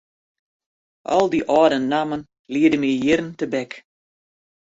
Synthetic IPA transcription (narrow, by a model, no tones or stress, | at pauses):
ʔɔ̰lˠdiʔɔːdənːamən | liədəmijɪɾəntəbɛk